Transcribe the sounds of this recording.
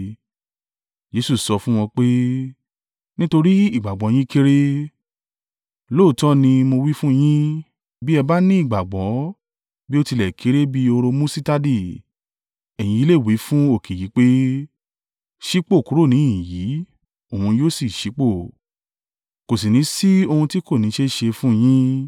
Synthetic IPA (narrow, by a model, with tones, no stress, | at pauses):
d͡ʒe˧˦su˦˨sɔ˧fũ˦w̃ɔ̃˧k͡pe˦ | nĩ˦to˧ɾi˦i˦˨ɡ͡ba˨ɡ͡bɔ̃˨˦j̃ĩ˦ke˦ɾe˦ | loː˦˨tɔ˦nĩ˧mo˧wi˦fũ˦˧˦j̃ĩ˦ | bi˦ɛ˧ba˦nĩ˦i˦˨ɡ͡ba˨ɡ͡bɔ̃˨˦ | bi˦o˦ti˧lɛ˨kʰe˨˦ɾe˦bi˦o˧ɾo˧mũ˦si˦ta˦di˦˨ | ɛ˨j̃ĩ˧˦i˨˧le˦˨wi˨˦fũ˦o˦˨kʰe˨ji˨˦k͡pe˦ | ʃi˦k͡po˦˨ku˨˦ɾo˦˨nĩ˨˦ĩ˨ji˨˦ | o˦˨hũ˧jo˦˨si˦˨ʃi˨˦k͡po˦˨ | ko˨si˨nĩ˨˦si˦o˧hũ˧ti˦ko˦˨nĩ˨˦ʃe˦ʃe˧fũ˦˧j̃ĩ˦